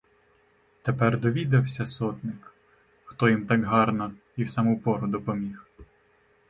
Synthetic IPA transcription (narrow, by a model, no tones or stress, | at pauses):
t̪epɛrd̪ɔʋʲid̪ɐwsʲɐsɔt̪nɪk | xt̪ɔjimt̪ɑkɦɑrnɐ | iwsɑmupɔɾʊd̪ɔpɔmʲix